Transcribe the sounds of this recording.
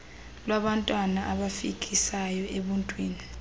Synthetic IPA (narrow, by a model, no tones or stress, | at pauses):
lwaɓantʼwanaʔaɓafik̬ʰʼisajɔʔeɓuntʼwiːni